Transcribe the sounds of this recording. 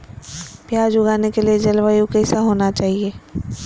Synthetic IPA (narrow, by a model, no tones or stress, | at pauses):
pjaːd͡ʒʊɡaːnekelied͡ʒɐlʋajukɛːsaɦoːnat͡ʃaːɦieː